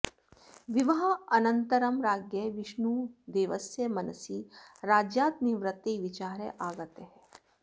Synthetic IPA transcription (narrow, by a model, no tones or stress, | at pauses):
ʋiʋɐɦɐɐnɐnt̪ɐɾɐmɾaːɡjɐʋiʃnuːd̪eːʋɐsjɐmɐnɐsiːɾaːd͡ʒjaːt̪̚niʋɾɐt̪ːeːʋit͡ʃaːɾə̰ʔaːɡɐt̪jɐɦɛː